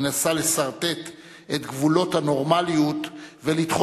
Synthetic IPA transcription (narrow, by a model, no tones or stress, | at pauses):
nasale̞saʁt̪e̞t̪ | et̪ɡvulo̞t̪hano̞ʁmalijut̪velit̪χo